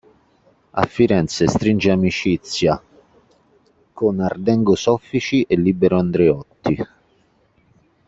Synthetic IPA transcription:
a̰fːiɾɛnt̪sest̪ɾind͡ʒeamit͡ʃit̪sːja | kʊnard̪ɛŋɡʊsɔfːit͡ʃiʔelːibeɾʊand̪ɾeɔt̪ːi

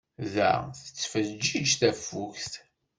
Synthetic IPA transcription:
ðæ̰θət͡sːfəd͡ʒːid͡ʒθæfːuçst̪

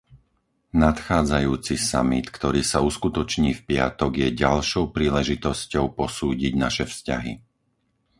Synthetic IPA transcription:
nat̪xaːd͡zajuːt͡sisa̰mit̪kt̪ɔɾiːsauskut̪ɔt͡ʃɲiːfpɪa̰t̪ɔɡjɛɟalʃɔʊpɾiːlɛʒit̪ɔscɔʊpɔsuːɟiɟnaʃɛfsca̰ɦḭ

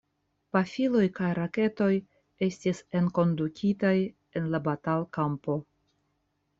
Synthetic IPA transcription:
pafilo̞jkajɾake̞to̞j | e̞stise̞nko̞ndukʲʰitaj | e̞nlabatalkampo̞

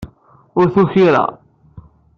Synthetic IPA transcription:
ʊɾθuçiɾa̰

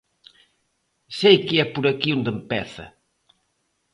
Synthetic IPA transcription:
sejkɪɛpuɾɐkiund̪empɛθɐ̰

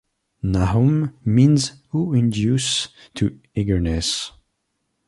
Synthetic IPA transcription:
naɦummĩnzhuɪ̃ndjus | tʰɨ | iɡə˞nɛs

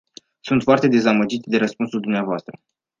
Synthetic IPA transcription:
sunt̪foart̪e̞d̪e̞zaməd͡ʒit̪ʲd̪e̞ɾəspunsuld̪umneavoast̪ɾə

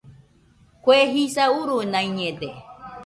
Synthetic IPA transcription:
kʷeɦisauɾunãĩɲẽd̪e

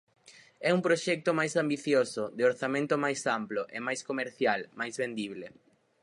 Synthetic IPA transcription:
ɛumpɾoʃɛk̚t̪ʊmajsambiθjosod̪ɪoɾθamẽnt̪ʊmajsamploʔemajskomeɾθjalmajzβẽnd̪iβle

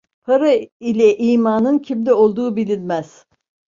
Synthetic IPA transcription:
pʰaɾailʲɛʔijmaːnɯncʰimlʲio̞lˠd̪uːbilʲinʲmæz̥

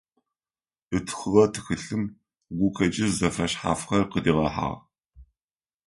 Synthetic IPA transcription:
ʔɨtʰxɨʁɐtʰɨ̥xɨɬɨm | ɡʷʊkʰɐt͡ʃʼɪzzɐfrɐɕħa̰ːfxɐrqədiːʁɐħa̰ːʁ

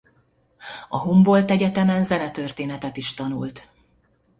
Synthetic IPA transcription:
ɒ̰ɦumbo̞lt̪ɛɟɛt̪ɛmɛnzɛnɛt̪ørt̪eːnɛt̪ɛt̪iʃt̪ɒnṵlt̪

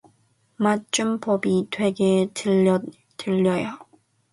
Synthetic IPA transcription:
mat͡ɕ͈umpʌbitwe̞ɡe | tɯʎːʌjo

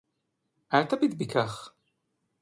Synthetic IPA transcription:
aɾt̪æbid̪bikaχ

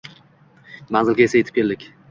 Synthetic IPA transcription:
manzɪlɡʲaesajet̪ʰɪ̥pkʲʰe̞ld̪ɪkʲ

